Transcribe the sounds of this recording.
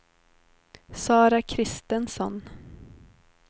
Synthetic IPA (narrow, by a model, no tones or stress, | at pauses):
sɑːɾakʰɾɪst̪ənsɔn